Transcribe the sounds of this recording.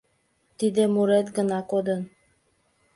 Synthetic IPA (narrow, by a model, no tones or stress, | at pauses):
t̪id̪ĕmuɾet̪ɡə̆nɑkod̪ɤn